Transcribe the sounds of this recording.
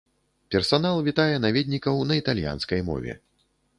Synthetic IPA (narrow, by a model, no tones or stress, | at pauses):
pʲɛrsanalˠvʲit̪ajɛnavʲɛd̪ʲnʲikɐwnɐit̪alʲja̰nskɐjmɔ̰vʲɛ̰